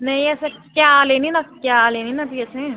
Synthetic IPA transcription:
nɐɦĩɛːsekjaːleːninakjaːleːninat̪iɛːseɛ̃

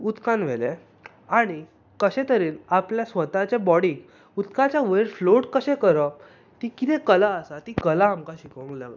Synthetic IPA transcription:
ut̪kãnʋ̤ele | aɽ̃i | kəɕẽt̪əɾiːnapljasʋət̪at͡ɕebɔɽĩːk | ut̪kãt͡ɕjaʋeɾfloʈkəɕɛ̃kəɾə | t̪ikit̪ɛ̃kəlaəsat̪iːkəlaːmkaɕikʋə̃ŋkla̰ɡ

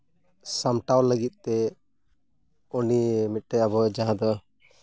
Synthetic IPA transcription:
samʈawləɡit̪̚ˀt̪ɛ | ɔnimit̪̚ʈɛabɔd͡ʒãɦãd̪ɔ

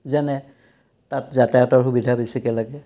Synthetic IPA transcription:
zɛnɛ | tatzatɛjatɔɹɦubidʱabisikɛlaɡɛ

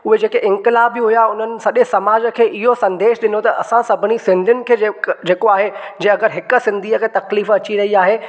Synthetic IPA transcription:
ʊɦed͡ʑeːkeʔɪ̃ŋkɪlaːbiɦʊjaʊn̤ənɪ̆sɐɗẽsɐmaːd͡ʑə̆kʰeːʔɪɦosɐ̃nd̪eːʃɗɪnot̪ɐʔɐsãsɐbʱɪnisɪ̃nd̪ʱʊnɪ̆kʰeːd͡ʑeːkoaːɦed͡ʑẽːɐɡəɾɦɪkə̆sɪ̃nd̪ʱiːəkʰeːt̪ɐkliːfɐt͡ɕiɾɐɦiaːɦeː

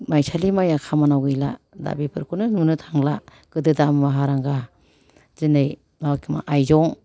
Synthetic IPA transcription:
majsalimajakʰamanawɡɯjla̰da̰bipʰɯɾkʰunɯnunɯtʰaŋla | ɡ̥ɯdɯdammaɦaɾaŋɡa | zɯnɯj | mawakʰima̰ʔajzɔŋ

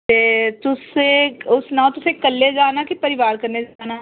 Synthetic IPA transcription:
t̪eːt̪ʊseʊsnãːt̪ʊsekɐlːed͡ʒaːnakipɐɾɪʋaːɾkɐɾned͡ʒaːnaː

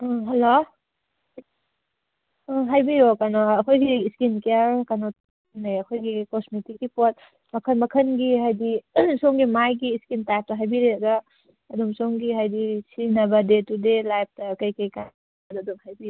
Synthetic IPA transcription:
ɦɐlo | ɦajbijokanoɐkʰojɡiːskinkejaɾkanot | neɐkʰojɡikosmitikipot̚ | mɐkʰɐnmɐkʰɐnɡiɦajdisoŋɡimajɡiːskintajp̚tɐɦajbiɾeɐɡɐː | dumsoŋɡiɦajdisinɐbɐdetudelajp̚ʰtɐkɐjkɐjka | ɐdɐdumhajbijo

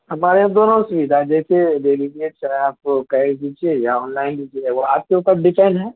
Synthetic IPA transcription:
hɐmaːɾeãd̪oːnõsʊʋid̪ʱad͡ʒɛːseɾeliʋiet͡ʃaaːpkad̪iːd͡ʒiejaɔːnlaːɪndiːd͡ʒeʋoaːp̚keuːpəɾɖɪfaɪnɦɛ̃ː

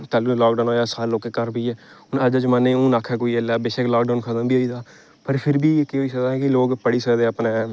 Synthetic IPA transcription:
t̪aːluːlɔːk̚ɖaːnɦoːjaːsaːlloːkeːkəɾbiːɛː | ʊnəd͡ʒəd͡ʒmanːẽːũːnaːkʰɛːkoːiːəlaːbeːʃeːklɔːkɖaːnkʰəd̪əmbiːoːiːd̪aː | pəɾpʰɪɾbiːkɪɦoːiːs̬əkd̪aːɦɛ̃ːkɪloːɡpəɽiːsəkd̪eːapnẽː

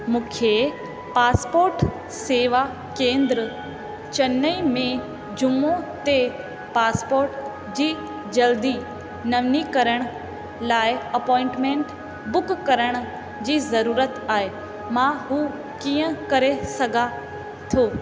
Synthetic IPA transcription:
mũːkʰe | paːspoːɾʈ | seːʋa | kẽːnd̪ɾə | t͡ɕɐnəimẽ | d͡ʑʊmot̪e | paːspoːɾʈ | d͡ʑiː | d͡ʑɐld̪i | nɐʋnikɐɾəɽ̃ | laːɪɐpɔːɪ̃ɳʈmẽɳʈ | bʊkkɐɾəɽ̃ʊ | d͡ʑiːzɐɾuːɾət̪aːɦe | mãɦuː | kiːə̃kɐɾesɐɡʱa | t̪ʰoː

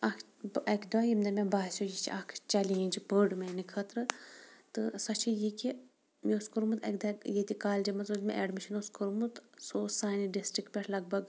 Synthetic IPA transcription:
ɐkʰ | ɐkʲd̪ajimd̪ɐmʲẽbaːsʲojit͡ʃʰiʔɐkʰt͡ʃɐlint͡ʃipəɖmenikʰɐt̪ɾɨt̪ɨsɐt͡ʃʰijikʲi | mioskuɾmɨt̪ɐ̰kd̪ɐkjet̪ikaːld͡ʒemɐt͡soːlʲmeʔɛɖmiʃʰinoskʰuɾmut̪soːsaːniɖisʈɾik̚pʲɛʈʰlɐɡ̚bɐɡ

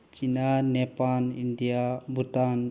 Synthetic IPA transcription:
t͡ʃinanɛpanind̪ijabʱut̪an

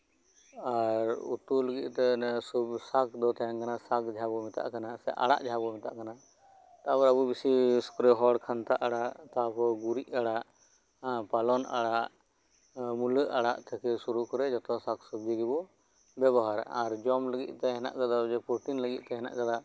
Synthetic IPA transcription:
aɾṵt̪uləɡit̪̚ˀt̪ɛsubsakʰd̪ɔt̪ʰaɛŋkanasakd͡ʒʱabɔmɛt̪a̰ʔkanasɛ̰ʔa̰ɽa̰ʔd͡ʒʱabɔmit̪a̰ʔkana | t̪abɔɾabubisiskɾɛɦɔɽkʰant̪aʔaɽaʔt̪apɔɡuɾiʔ̚aɽaʔ | palɔna̰ɽaʔ | muləʔaɽaʔt̪ʰɛkɛsuɾukɔɾɛd͡ʒɔt̪ɔsaksubd͡ʒiɡibɔ | bɛβɔɦaɾaɾd͡ʒɔmləɡḭt̪̚ˀt̪ɛɦɛna̰ʔkad̪ad͡ʒɛpuʈinləɡḭt̪̚ˀt̪ɛɦɛna̰ʔkad̪a

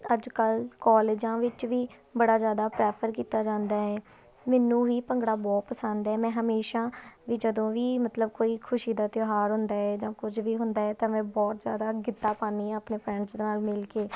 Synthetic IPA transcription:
əd͡ʒkəlkɔːleːd͡ʒãːʋɪt͡ʃʋiː | bəɽaːzjaːd̪aːpɾɛːpʰəɾkiːt̪aːd͡ʒãːnd̪aːɛː | mɛːnũːʋiːpəŋɡɽaːbɔːt̪̚pəsənd̪ɛːmɛ̃ːɦəmeːʃãːʋiːd͡ʒəd̪õːʋiːmət̪ləb̚koːiːkʰʊʃiːd̪aːt̪joɦaːɾɦʊnd̪aːɛːd͡ʒãːkʊd͡ʒʋiːɦʊnd̪aːɛːt̪ãːmɛ̃ːbɔːt̪zja̰ːd̪aːɡɪt̪ːaːpaːniːaːpneːpʰɾɛ̃ːɳɖsd̪eːnaːlmɪlkeː

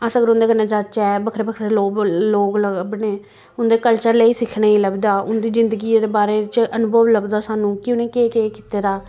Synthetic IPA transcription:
əsəɡəɾʊ̃nd̪eːɡənːeːd͡ʒaːt͡ʃɛːbəkʰɾeːbəkʰɾeːloːloːɡləɡəbneː | ʊnd̪eːkəlt͡ʃəɾləiːsɪkʰɽaːiːləɡd̪aːʊnd̪iːzɪnd̪əɡiːd̪eːbaːɾeːt͡ʃənʊbʱəʋləbd̪aːsaːnũːkɪʊnẽːkeːkeːkɪ̥t̪eːɾaː

